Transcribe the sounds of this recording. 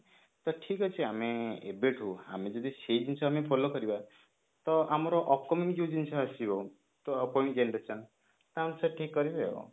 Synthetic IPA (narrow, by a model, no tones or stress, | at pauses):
t̪ɔʈʰikɔt͡ʃʰiameḛbeʈɦua̰med͡ʒɔd̪ised͡ʒint͡ʃʰɔamepʰolokɔɾiba | t̪ɔamɔɾɔʔɔp̚kɔmimijuwd͡ʒint͡ʃʰɔasibɔ | t̪ɔpɔj̃id͡ʒenɾesʰɔn | t̪ɔamsaʈʰikːɔɾibebɔ̰